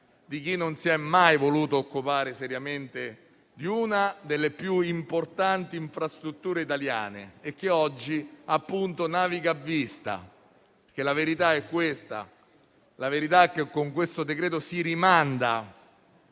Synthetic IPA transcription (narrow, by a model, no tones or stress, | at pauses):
d̪ik̟inːonsiɛmːajvoluːt̪ookːupaːɾesɛɾjament̪e | d̪iunad̪elːepjuimport̪ant̪iːɱfɾast̪ɾut̪ːuːɾeit̪alja̰ːnḛek̟ːeɔd͡ʒːiapːunt̪onaːviɡaːvːist̪a̰ | ppeɾk̟elaveɾit̪aɛkːwest̪a̰ | laveɾit̪aɛk̟ːekːoŋkwest̪od̪ekɾɛːt̪̬osiɾimand̪a